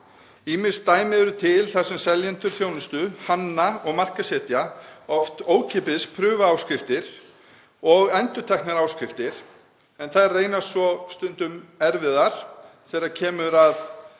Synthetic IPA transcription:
iːmɪn̥st̪aːjmɪɛɾʏt̪ʰɪlθaɾ̥sɛmsɛljɛnt̪ʏɾ̥θjoːwnʏst̪ʏhanːaɔɣmar̥kasɛːt̪jaɔft̪oːwcʰɛːpɪðspʰɾʏːvaaːwskɾɪft̪ɪɾ̥ | ɔɣɛnt̪ʏɾt̪ʰɛknaɾaːwskɾɪft̪ɪɾ̥ | ɛnθaðreːjnasvɔst̪ʏnt̪ʏmɛɾvɪðaɾ̥ | θɛːɾaɾcʰɛːmʏɾað

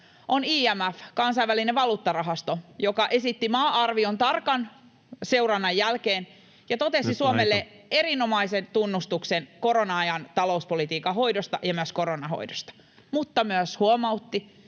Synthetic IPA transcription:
ʔoniːæmæfkɑnsɑiʋælineʋɑluːt̪ːɑrɑɦɑst̪ojokɑʔe̞sit̪ːimɑːʔɑrʋiont̪ɑrkɑn | se̞urɑnːɑjːælkeːn | jɑt̪o̞t̪e̞sisuomelːe | e̞ɾinomɑisent̪unːust̪uksenko̞ɾonɑɑjɑnt̪ɑlouspolit̪iːkɑhoidost̪ɑjɑmyøsko̞ɾonɑho̰idost̪ɑ̥ | mut̪ːɑmyøshuomɑwt̪ːi

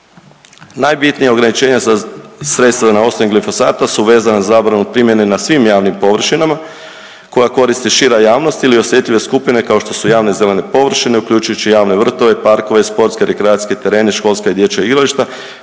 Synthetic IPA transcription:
najbit̪nijao̞ɡɾanit͡ʃe̞ːɲasasɾe̞t̪st̪ʋanao̞sonimɡlifo̞saːt̪asuʋe̞ːzanazazaːbɾanupɾimjenenasʋimjaːʋnimpo̞ʋr̩ʃinama | ko̞jako̞ɾist̪iʃiɾajaːʋno̞st̪ilio̞sje̞t̪ʎʲiʋe̞skupine̞kao̞ʃt̪o̞sujaːʋne̞ze̞le̞ne̞po̞ʋr̩ʃine̞ukʎuːt͡ʃujut͡ɕijaːʋne̞ʋr̩t̪o̞ʋe̞paɾko̞ʋeispo̞ɾt̪skeɾekɾeat̪sʲket̪e̞ɾe̞ːneʃko̞lˠskaid̪je̞t͡ɕaiɡɾaliʃt̪a

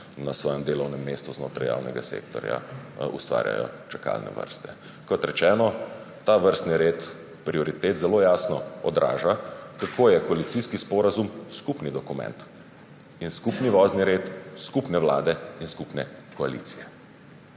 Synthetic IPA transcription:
nasʋɔːjɛmd̪eːlɔwnɛmːeːst̪uzno̰ːt̪ɾaja̰ːwnɛ̰ɡasḛːkt̪ɔ̰ɾja̰ṵst̪ʋa̰ːɾja̰jɔ̰t͡ʃɛka̰ːlnɛ̰ʋə̰ɾst̪ɛ | kɔt̪ɾɛt͡ʃɛːnɔ | t̪aːʋəɾst̪niɾeːt̪ | pɾiɔɾit̪eːt̪zɛloːjaːsnɔɔd̪ɾʔa̰ːʒakakʰoːjɛkɔalit̪siskispɔːɾazumskupnid̪ɔkumɛ̰̃nt̪ | inskupniʋɔːzniɾeːt̪skupnɛʋlaːd̪ɛinskupnɛkɔalḭːt̪sijɛ

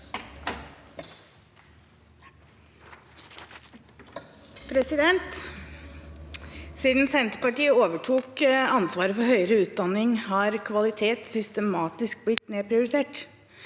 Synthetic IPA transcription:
pʰɾɛsɪd̪ɛnt̪ | siːd̪nsɛnt̪ə̥pɑʈiːəoːʋəʈʰuːkɑnsʋɑːɾəfɔhœʏəɾəʉːt̪̚d̪ɑnɪŋhɑːɾkʰʋɑlɪt̪ʰeːt̪sʏst̪əmɑːt̪ɪsk̚blɪt̪neːpʰɾɪʊɾɪt̪ʰeːʈ

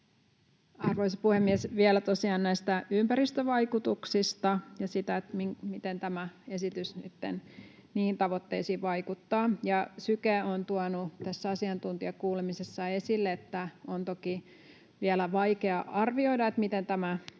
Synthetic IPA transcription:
ɑrʋoisɑpuhemːiɛsʋielæt̪osiɑːnnæist̪æympæɾist̪øʋɑikut̪uksist̪ɑjɑsit̪æet̪miŋmit̪ent̪æmæesit̪ysnit̪ːḛn | niːnt̪ɑʋot̪ːḛisiːʋɑikut̪ːɑːjɑsykæont̪uɑnut̪æsːæɑsiɑnt̪unt̪iɑkuːlemisesːɑe̞silːeet̪ːæont̪oki | ʋielæʋɑikeɑʔɑrʋio̞idɑet̪mit̪ent̪æmæ

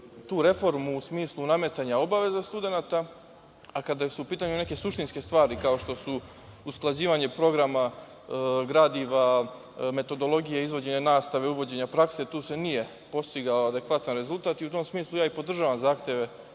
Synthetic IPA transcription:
t̪uːɾe̞fo̞ɾmuːsmiːslˠuname̞t̪aɲao̞baʋe̞zast̪ud̪e̞nat̪a | akad̪asuupiːt̪aɲune̞ke̞suʃt̪inske̞st̪ʋaːɾikao̞ʃt̪o̞su | usklˠad͡ʑiːʋaɲe̞pɾo̞ɡɾama | ɡɾad̪iʋa | me̞t̪o̞d̪o̞lˠo̞ɡijeizʋo̞d͡ʑe̞ɲe̞naːst̪aʋe̞uʋo̞d͡ʑe̞ɲapɾakse̞t̪uːse̞nije̞ | po̞st̪iɡaoad̪e̞kʋat̪anɾe̞zulˠt̪aːt̪iut̪o̞msmiːslˠujaːipo̞d̪r̩ʒaːʋamzaːxt̪je̞ʋe̞

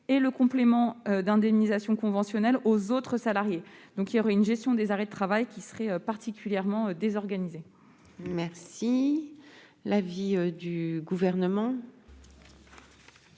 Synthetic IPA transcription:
eləkɔ̃plemɑ̃ød̪ɛ̃d̪ɛmnizasjɔ̃kɔ̃vɑ̃sjɔnɛlozot̪χəsalaʁjed̪̥ɔ̃kiljɔʁɛynʒɛst̪jɔ̃d̪ezaʁɛd̪ət̪χavajkʲisəχɛøpaʁt̪ikʲyljɛʁmɑ̃ød̪ezɔʁɡanize | mɛʁsi | laviød̪yɡuvɛʁnəmɑ̃

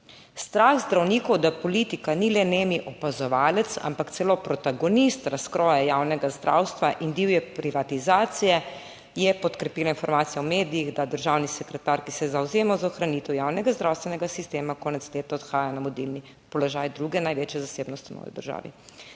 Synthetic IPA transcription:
st̪ɾaːxzd̪ɾawniːkɔwd̪apɔlit̪ikanilɛneːmiʔɔpazɔʋaːlɛt̪sa̰mpakt̪sɛloːpɾɔt̪aɡɔnist̪ɾaskɾɔjɛjawnɛɡazd̪ɾʔa̰wst̪ʋaʔind̪iwjɛpɾiʋat̪izaːt̪sijɛ | jɛpɔt̪kɾɛpiːlainfɔɾmaːt̪sijaɔmeːd̪ijiɣd̪ad̪əɾʒawnisɛkɾɛt̪aɾkisɛzawzeːmazaɔxɾaniːt̪ɛwjaːwnɛɡazd̪ɾawst̪ʋɛnɛɡasist̪eːmakɔːnɛt̪sleːt̪aɔt̪xaːjanamɔd̪ilni | pɔlɔʒaːjd̪ɾuːɡɛnajʋeːt͡ʃjɛzaseːbnɔst̪nɔ̰ːjḭd̪ə̰ɾʒa̰ːʋḭ

